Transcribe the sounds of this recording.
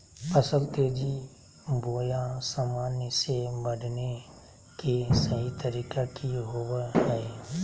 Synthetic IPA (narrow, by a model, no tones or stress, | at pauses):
pɐsəlt̪eːd͡ʒi | boːjãsamaːnjəsebɐɖne | kesəɦit̪ɐɾiːkakijɦoːwəɦɛe